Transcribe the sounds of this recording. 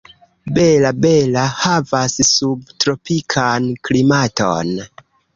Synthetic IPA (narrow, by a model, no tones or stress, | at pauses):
be̞labelahavassub̚tɾo̞pikʰanklimato̰n